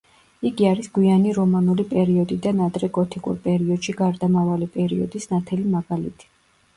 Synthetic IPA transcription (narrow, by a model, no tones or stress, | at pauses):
iɡiaɾisɡwianiɾɔmanulipʼɛɾiɔd̪id̪anad̪ɾɛɡɔt̪ʰikʼṵɾpʼɛɾiɔd̪̥ʃiɡaɾd̪amavalipʼɛɾiɔd̪isnat̪ʰɛlimaɡalḭt̪ʰi̥